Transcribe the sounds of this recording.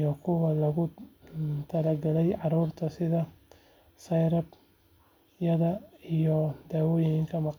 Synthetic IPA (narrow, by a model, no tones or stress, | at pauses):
jɔkʰʊwɐlɐɣʊ | t̪ʰɐlɐɡɐlɛjʕɑɾuːrt̪ʰɐsɪðɐ | sɐjɾɐb | jɐðɐijɔd̪̥aːwɔːjɪŋɪŋkʰɐmɑq